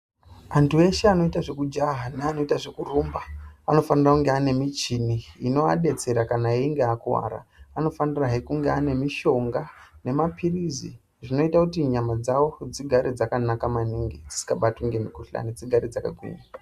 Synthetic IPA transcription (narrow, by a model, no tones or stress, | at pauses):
antʰue̞ʃeano̞itaʐe̞kud͡ʒaɦaneano̞itaʐe̞kurumbaano̞fanirakuŋɡeane̞mit͡ʃiniːno̞a̰ɗe̞t͡se̞ɾakanaeiŋɡeakuwa̰ɾa̰ːno̞faniraɦekuŋɡeane̞miʃo̞ŋɡane̞mapʰirizḭ | ʐino̞itakutiɲamad͡zawo̞d͡ziɡʱaɾid͡zakanakamaniŋɡid͡zisi̥kaɓatwuŋɡemikoɬa̰nid͡ziɡʱaɾid͡zaka̰ɡʱwḭɲa